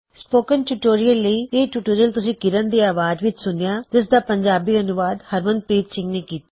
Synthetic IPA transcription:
spoːkənʈuːʈoːɾiəlːəiːeːʈuːʈoːɾijəlt̪ʊsĩːkɪɾənd̪iːaːʋaːd͡ʒʋɪt͡ʃsʊnjaːd͡ʒɪsd̪aːpəɲd͡ʒaːbiːənʊʋaːd̪həɾmənd̪̚pɾiːt̪sɪ̃ŋɡneːkiːt̪a

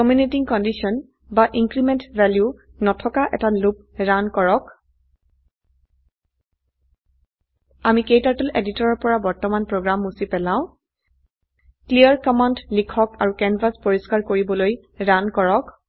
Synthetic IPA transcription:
kɔmjunitiŋkɔndisɔn | baʔiŋkɹimɛntvɛlju | nɔtʰɔkaʔɛtalup̚ɹankɔɹɔk | amikejtaɹtɔlʔeditɔɹɔɹpɔɹabɔɹtɔmanpɹoɡɹamːusipɛlãʊ̃ | klijaɹkɔmɔntlikʰɔkaɹukɛnvaspoɹiskaɹkoɹibɔloj | ɹankɔɹɔk

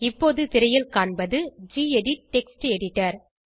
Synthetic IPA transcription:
ɪpːoːðɯt̪ɪɾɐjɪlkaːɳbɐðɯd͡ʒiːɛɽɪʈ̚ːɛksʈɛɽɪʈːɐɾ

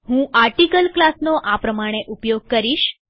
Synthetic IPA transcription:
ɦũʔaɾʈikəlklasnoʔapɾəmaɽ̃eʔupjoɡ̚kəɾiʃ

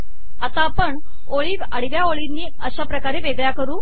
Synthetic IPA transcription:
at̪apəɳ | oɭiːɡəɽiʋjaoɭinːiːəɕapɾəkaɾeʋeɡɭjakəɾuː

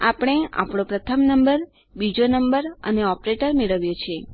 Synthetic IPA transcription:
apɽ̃ea̰pɳ̃õpɾət̪ʰəmnəmbəɾ | bid͡ʒonəmbəɾə̰neɔpɾeʈəɾmeɭəʋjot͡ʃʰe

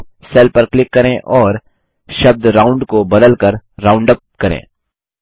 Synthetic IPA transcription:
seːlpɐɾklɪkːɐɾẽʔɔːɾ | ʃɐb̚d̪ɾaːʊ̃ɳɖkobɐd̪əlkɐɾɾãːʊ̃ɳɖəp̚kɐɾḛ̃ː

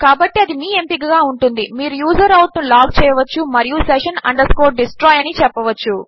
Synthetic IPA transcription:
kaːbɐʈːiɐd̪imiːempiɡɐɡaːuɳʈund̪imiːɾujuːzɐɾɐwʈnulaːɡ̚t͡ʃɛːjɐʋɐt͡ʃːumɐɾijusɛʃɐnɐ̰ɳɖɐɾskoːɖisʈɾɔːjɐnit͡ʃɛpːɐʋɐt͡ʃːu

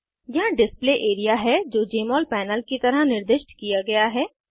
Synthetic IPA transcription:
jɐɦãɖɪspleːʔeːɾijaɦɛd͡ʒoːd͡ʒeːmɔːlpɛːnəlkit̪ɐɾəɦnɪɾd̪ɪʃʈkijaɡɐjaɦɛː

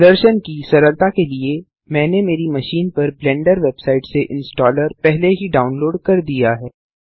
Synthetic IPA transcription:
d̪əɾʃənkisɐɾəlt̪akelie | mɛ̃ːnemeːɾimɐʃiːnpɐɾblɛ̃ːɳɖəɾʋebsaːɪʈseʔɪ̃nsʈɔːləɾpɛɦleɦiɖaːʊnloːɖkɐɾd̪ijaɦɛː

